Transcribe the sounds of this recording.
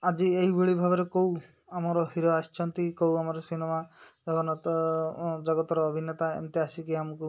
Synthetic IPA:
ad͡ʒieɦibuɭibʱabɔɾekow | amɔɾɔɦiɾɔast͡ʃʰɔnt̪ikowamɔɾɔsinemad͡ʒɔkɔnɔt̪ | d͡ʒɔɡɔt̪ɔɾɔːbʱinːet̪aḛnt̪easikiamɔku

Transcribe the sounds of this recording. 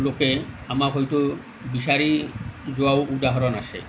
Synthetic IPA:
loke | amakɦɔjt̪o | bisaɾizoawud̪aɦɔɾɔnase

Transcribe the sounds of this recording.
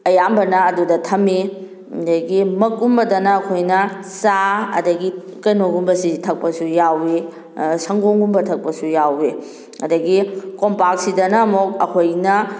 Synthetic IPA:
ɐjambɐnɐːdudɐtʰɐmi | dɐɡimɐkumbɐdɐnɐːkʰojnɐsaɐ̰dɐɡikɐjnoɡumbɐsitʰɐk̚pɐsujawe | sɐŋɡoŋumbɐtʰɐk̚pɐsujawe | ɐdɐɡikompak̚sidɐnɐmok̚ɐkʰojnɐ

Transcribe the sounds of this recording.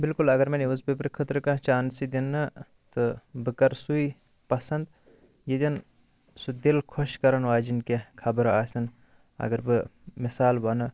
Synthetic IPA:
bilkulɐɡɐɾmɐneʋɐzbipɾɨkʰɨt̪ɾɨkãt͡ʃaːnsid̪inːɐ | t̪ɨbɨkɐɾsui | pɐsɐnd̪ | jid̪ɐn | sud̪ilkʰoʃkɐɾɐnʋaːd͡ʒinkekʰɐbɐɾaːsɐn | ɐ̰ɡɐɾbɨmisaːlbɐnɨ

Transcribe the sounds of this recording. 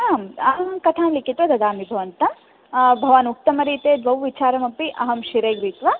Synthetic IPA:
aːmɐkɐt̪ʰaːmlikit̪ʋɐd̪ɐd̪aːmibʱɐʋɐnt̪ɐ | bʱɐʋaːnuk̚t̪ɐmɐɾiːt̪eːd̪ʋɐʋʋit͡ʃaːɾɐmɐpiʔɐɦɐmʃiɾeːɡɾiːt̪ʋa

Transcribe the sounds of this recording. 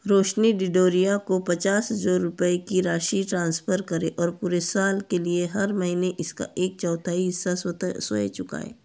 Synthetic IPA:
ɾoːʃniɖɪɖoːɾijakopɐt͡ʃaːsɦzoːʊpəekiɾaːʃiʈɾãːnspʰəɾkɐɾeʔɔːɾpuːɾesaːlkelieɦɐɾmɐɦiːneʔɪska̰ʔeːk̚t͡ʃɔːt̪ʰaiːssoḛt͡ʃʊka̰ːḛː

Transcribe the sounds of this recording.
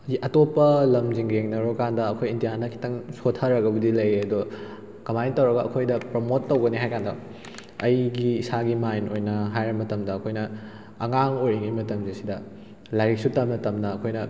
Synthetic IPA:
iʔɐtopːɐlɐmziŋɾeŋnɐɾokandɐːkʰojindijanɐkʰi̥tɐŋsotʰːɐɾɐɡɐbɐdilɐjeɐdo | kɐmajntɐwɾɐɡɐʔɐkʰojdɐpɾomotːɐwɡɐniɦajkandɐ | ɐjɡiːsaɡimajnojnɐɦajɾɐmɐtɐmdɐːkʰojnɐ | ɐŋaŋojɐŋimɐtɐmzisidɐ | lajɾik̚sutɐmnɐtɐmdɐɐkʰojnɐ

